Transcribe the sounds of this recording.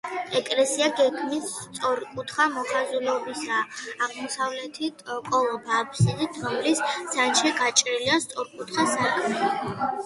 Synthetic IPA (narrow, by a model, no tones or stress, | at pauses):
ɛkʼlɛsiaɡɛɡʰmisːt̪sʼɔɾkʼut̪ʰχamɔχazulɔbisaːʁmɔsavlɛt̪ʰit̪ʼkʼɔlˠɔbaːpʰsinid̪ʰɔmlissanʃiɡat͡ʃʼɾiliast̪sʼɔɾkʼut̪χasaɾkʼ